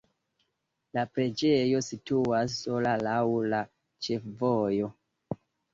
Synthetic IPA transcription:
lapɾe̞d͡ʒejo̞situasːolalawla | t͡ʃe̞fvojo̞

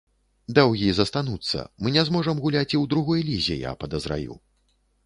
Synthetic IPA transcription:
d̪awɣʲizɐst̪anut̪sːɐ̰mɨnʲɛzmɔʐɐmɣulʲat͡sʲiwd̪ɾuɣɔjlʲizʲɛ̰ja̰pɐd̪ɐzɾa̰jṵ

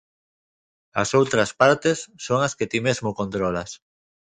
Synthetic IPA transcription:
a̰sowt̪ɾɐspaɾt̪esːoŋasket̪imezmokont̪ɾolas

